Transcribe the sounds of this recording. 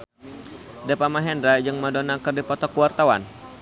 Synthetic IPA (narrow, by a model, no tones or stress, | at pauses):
dɛpamaɦɛndɾad͡ʒɨŋmadonakɨrdipɔt̪ɔkuwart̪awa̰n